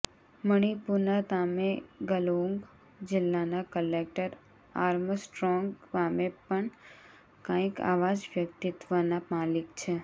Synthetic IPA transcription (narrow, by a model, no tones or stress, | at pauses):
məɽ̃ipuɾnat̪ameɡəloŋɡ | d͡ʒɪlːanakəlek̚ʈəɾ | aɾməsʈɾɔŋɡʋamepəɳ | kãika̰ʋad͡ʒʋjək̚t̪it̪ʋənamalikt͡ʃʰe